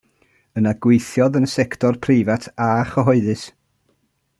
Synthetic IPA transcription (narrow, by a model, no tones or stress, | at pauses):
ənaɡ̥wejθjɔðənəsɛktʰɔrpʰriːvatʰaχəɦɔɨðɨs